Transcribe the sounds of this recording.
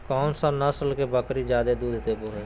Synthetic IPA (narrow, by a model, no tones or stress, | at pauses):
kɔːmsə̃nəsəlkebəkɾid͡ʒjaːd̪ed̪uːd̪ʱt̪ebʊɾe